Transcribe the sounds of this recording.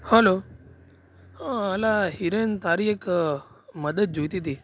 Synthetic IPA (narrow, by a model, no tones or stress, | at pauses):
həlo | əlaɦiɾent̪aɾiek | məd̪əd̪̚d͡ʒojt̪it̪i